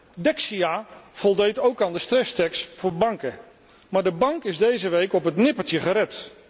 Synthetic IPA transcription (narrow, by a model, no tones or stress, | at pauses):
dɛksiav̥ɔlˠdejtowkanˠdəstrɛstɛkstfʊːɹbɑŋkə | maːɹdəbɑŋkɪzdejzəʋejkɔpɦətnɪpəɹtjəχəɾɛt